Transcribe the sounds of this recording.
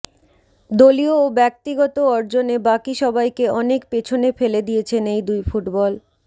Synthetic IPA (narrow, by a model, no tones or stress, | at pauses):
d̪olioːbɛk̚t̪iɡɔt̪oɔɾd͡ʑonebakiʃɔbajkeɔnek̚pet͡ɕʰonefeled̪ijet͡ɕʰenejd̪ujfuʈbɔl